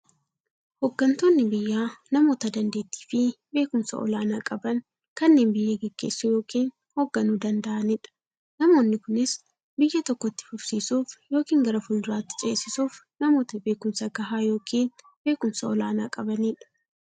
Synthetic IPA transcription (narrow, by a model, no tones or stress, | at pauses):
hɔɡːɐnt̪o̞ːnːɪbɪjːaːnɐmo̞ːt̪ɐd̪ɐnd̪e̞ːt̪ːi̥ːfɪ | be̞ːkʊmsɐ̰ʔɔ̰laːnaːkʼɐbɐŋ | kɐnːeːnbɪjːɐɡɛɡ̥ːe̞ːsːujo̞ːkiːn | hoɡːɐnuːd̪ɐnd̪ɐʔɐniːᶑɐ̥ | nɐmo̞ːnːɪkʊnɪs | bɪjːɐt̪ɔkːɔt̪ːɪ̥fʊbsiːsuːfjo̞ːkiːŋɡɐɾɐfʊnd̪ʊɾaːt̪ːɪ̥t͡ʃʼe̞ːsɪsuːf | nɐmo̞ːt̪ɐbe̞ːkʊmsɐɡɐɦaːjo̞ːkʰiːn | be̞ːkʊmsɐɔlaːnaːkʼɐbɐniːᶑɐ̥